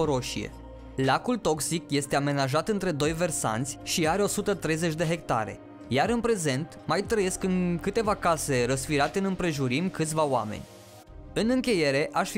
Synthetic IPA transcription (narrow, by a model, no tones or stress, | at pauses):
oɾo̞ʃiḛ | lakult̪o̞ksikje̞st̪e̞ame̞naʒat̪ɨnt̪ɾe̞d̪o̞jve̞rsa̰nt̪sʲʃiaɾeo̞sut̪ət̪ɾe̞jze̞t͡ʃʲd̪e̞ɦe̞kt̪a̰ɾe̞̰ | jaɾɨnpɾe̞ze̞nt̪majt̪ɾəje̞skɨŋkɨt̪e̞vakase̞ɾəsfiɾat̪eɨnɨmpɾe̞ʒuɾimkɨt̪sʲvawa̰mḛnʲ | ɨnɨŋkʲe̞je̞ɾe̞ʔaʃfi